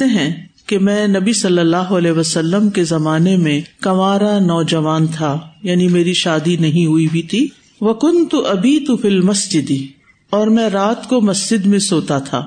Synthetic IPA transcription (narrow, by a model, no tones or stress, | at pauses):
eɦɛ̃kemɛ̃ːnɐbisɐlːəlːaːɦoɐlɛːɦʋɐsɐlːəmkezɐmaːnemẽkɐmaːɾanɔːd͡ʒɐʋaːnt̪ʰajaːnimeːɾiʃaːd̪inɐɦĩɦuibʱit̪ʰiː | ʋɐkʊ̃nt̪ʊʔɐbiːt̪ʊfilmɐsd͡ʒɪd̪ | ɔːɾmɛ̃ɾaːt̪komɐsd͡ʒɪd̪mẽsoːt̪at̪ʰa̰ː